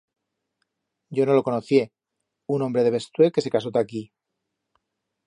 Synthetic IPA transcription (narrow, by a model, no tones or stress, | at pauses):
ɟ͡ʝo̞no̞lo̞ko̞noθje̞ | unombɾeðe̞βe̞st̪we̞lke̞se̞kaso̞t̪aki